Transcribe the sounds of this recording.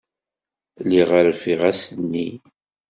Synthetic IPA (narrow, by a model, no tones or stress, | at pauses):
liʁəɾfiʁæsənːi